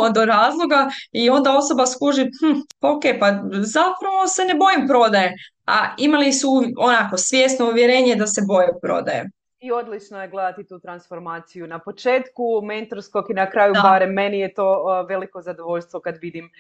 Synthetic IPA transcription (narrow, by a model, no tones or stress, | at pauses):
od̪o̞ɾaːzlˠo̞ɡaio̞nd̪ao̞so̞baskuʒihm̩oke̞pazapɾaʋo̞se̞ne̞bo̞jimpɾo̞d̪aje | a̰imalisuonako̞sʋʲje̞st̪no̞uʋjeɾe̞ːɲe̞d̪ase̞bo̞jepɾo̞̰d̪ajḛ | io̞d̪lit͡ʃnojeɡle̞d̪at̪it̪uːt̪ɾansfoɾmaːt̪sijunapo̞t͡ʃe̞ːt̪kument̪oɾskokinakɾaːjubaɾemːenijet̪oːʋe̞likozad̪oʋoʎst̪ʋo̞kad̪ʋid̪im